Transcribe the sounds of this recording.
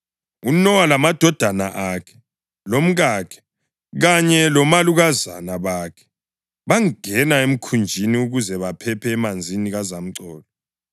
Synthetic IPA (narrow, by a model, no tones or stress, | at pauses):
unɔwalamad̥ʱɔd̥ʱana̰ʔakʰɛ̥ | lom̩ɣakʰɛ̥ | ɣaɲɛlɔmaluɣaza̰naβaːkʰɛ̥ | βaŋŋɛnaem̩kʰund͡ʒʱiniuɣuzɛβapʰɛpʰɛːmand͡zʱiniɣazam̩ǀɔːlɔ